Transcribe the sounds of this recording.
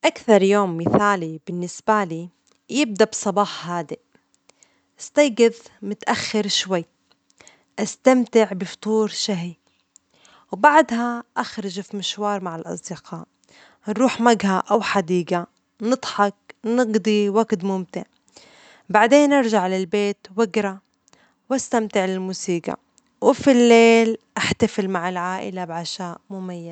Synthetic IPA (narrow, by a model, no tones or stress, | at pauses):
ʔakθɑɾˤjoːmːɪθaːlibɪnːɪsbaliː | jɪb̚d̪absˤɑbɑːħhaːd̪i | ʔɪst̪ɑjɡɪðmʊt̪ʔaxːɪɾʃwajː | ʔast̪amt̪ɪʕbɪft̪ˤuːɾʃaɦi | wbaʕd̪haʔaxɾˤɑʒfimɪʃwɑːɾˤmaʕɪlʔɑ̰sˤd̪ɪqʰɑːʔ | nɾuːħmaɡhaʔawħad̪iːɡa | nɨd̪ˤħɑk̚nɪɡd̪ˤiwaɡt̪mʊmt̪ɪʕ | baʕd̪eːnʔɑɾˤʒaʕlɪlbeːt̪wɪɡɾa | wʔast̪amt̪ɪʕlɪlmuːsiːɡa̰ | wɪfilːeːlʔaħt̪afɪlmaʕɪlʕaːʔɪ̰labʕaʃaːʔmʊmajːaz